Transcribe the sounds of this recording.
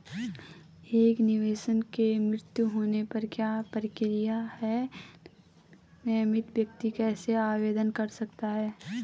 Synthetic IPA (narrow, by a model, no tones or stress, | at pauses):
eːknɪʋeːʃənkemɾɪt̪juɦoːnepɐɾkjaːpəɾɪkɪɾɪjahɛː | nɛjmɪt̪ʋjək̚t̪ikɛːseaːʋeːd̪ənkɐɾsɐk̚t̪aɦɛː